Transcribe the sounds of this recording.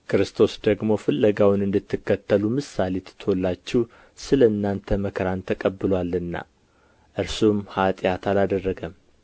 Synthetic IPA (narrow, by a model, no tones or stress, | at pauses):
kʰɾɨst̪ʰo̞sd̪əɡmo̞fɨlːəɡawnɨnd̪ɨt̪ʰːɨkːət̪ʰːəlumɨsale̞t̪ʰt̪ʰolːat͡ʃːɪw | sɨləɨnːant̪ʰəməkʰɾant̪ʰəkʼəbːɨlwalɨnːa̰ | ʔɨɾsumhat̪ʼjat̪ʰalad̪ərːəɡəm